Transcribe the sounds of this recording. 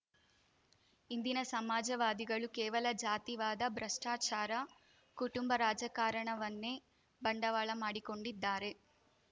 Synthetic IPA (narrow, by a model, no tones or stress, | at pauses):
ind̪inɐsɐmaːd͡ʒɐʋaːd̪iɡɐɭukɛːʋɐlɐd͡ʒaːt̪iʋaːd̪ɐbɾɐʂʈaːt͡ʃaːɾɐ | kuʈumbɐɾaːd͡ʒɐkaːɾɐɳɐʋɐnːeː | bɐɳɖɐʋaːɭɐmaːɽikoɳɖid̪ːaːɾe